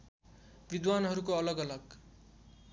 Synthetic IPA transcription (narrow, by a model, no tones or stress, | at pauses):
bid̪wanɦʌɾukoʌlʌɡʌlʌɡ